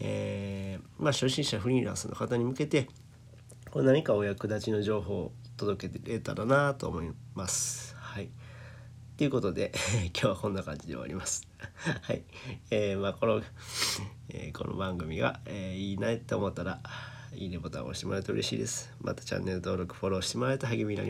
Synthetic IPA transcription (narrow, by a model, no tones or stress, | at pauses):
eː | maɕoɕĩɰ̃ɕaɸɯ̟ɾʲiːɾã̰ɰsɨno̞̰kat̪aɲ̟imɯ̟ke̞t̪e̞ | konaɲ̟ikaojakɯ̟d̪at͡ɕino̞ʑo̞ːɦo̞ːt̪o̞d̪o̞ke̞t̪ɾet̪a̰ɾanat̪o̞̰ːmo̞imasɨ̥hai | t̪eiɯ̟ko̞t̪o̞d̪e̞kʲoːβakõ̞nːakãɲ̟d͡ʑid̪ḛa̰ɾʲimasɨ̥ | hai | eːmaːko̞no | ḛːkʰo̞̰nʔo̰bãŋɡɯ̟mʲiɡa̰eiːnait̪ːeomo̞t̪ːaɾa | ḭːnepo̞t̪ã̰o̰ːɕi̥t̪emoɾaɯ̟t̪oɯ̟ɾeɕḭːd̪e̞sɨ̥ | mʔa̰t̪ḁt͡ɕã̰nːe̞ɾɯ̟t̪o̞ːɾo̞kɯ̟̥ɸo̞ɾo̞ːɕi̥t̪e̞mo̞ɾaet̪aɦaɡemʲiina̰ɾi